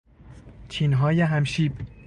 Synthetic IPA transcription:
t͡ʃʰiːnɦɒːjeɦæmʃiːb

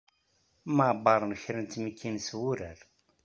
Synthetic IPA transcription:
maʕbɑɾˤnəçɾənt̪məkːinswuɾæɾ

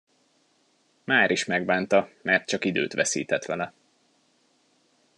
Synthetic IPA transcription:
maːɾiʃmɛɡbaːnt̪ɒmɛrt̪̚t͡ʃɒkid̪ø̰ːt̪ʋɛsḭːt̪ɛt̪ʋɛlɛ

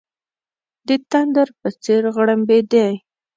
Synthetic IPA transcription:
d̪ət̪and̪aɾpət͡seɾɣɽəmbed̪ej

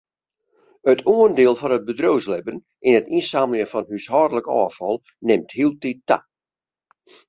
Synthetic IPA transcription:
ətʰuəndɪːlˠfɔnət̚bədrowslɛbən | ʔɪnətinsaːməlˠjəfɔnɦyshɔːdələkɔ̰ːfɔlˠ | nɪmthilˠtita̰

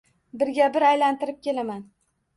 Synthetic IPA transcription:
bɪɾɡʲabɪɾajlant̪ɪɾɪp̚kʲe̞laman

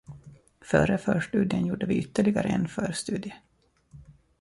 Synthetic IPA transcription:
fœːɾəfœːʂʈʉ̟ːd̪ɪənjuːɖəvɪʏt̪ːəɭɪɡaɾəɛ̰nfœːɾst̪ʉ̟ːd̪ɪə

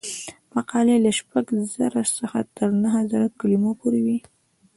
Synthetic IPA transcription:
maqɑlelaʃpaɡzəɾasəxa̰t̪əɾnaɦazaɾakalimopoɾewi

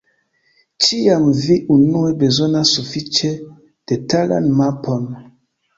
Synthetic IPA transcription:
t͡ʃiamviʔunuebezonasːufit͡ʃe | d̥etala̰nmapon

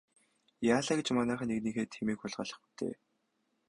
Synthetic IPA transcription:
jaːɮaːɡĕt͡ɕmanæːχaneɣniːxeːt̪ʰxemiːkxʊɮʁ̥aɮə̥̆χpu̥t̪ʰḛː

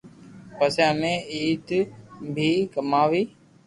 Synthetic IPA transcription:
pəsjamẽːiːt̪bʱiːkəmaːʋiː

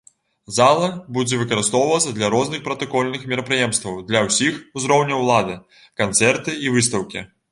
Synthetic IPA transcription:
zalˠɐbud͡zʲɛvɨkɐɾɨst̪ɔwvɐt̪sɐd̪lʲɐɾɔznɨxpɾɐt̪ɐkɔlʲnɨxmʲɛɾɐpɾɨjɛmst̪vɐwd̪lʲɐwsʲixuzɾɔwnʲɐwlˠad̪ɨ | kant̪sɛrt̪ɨivɨst̪ɐwkʲḭ

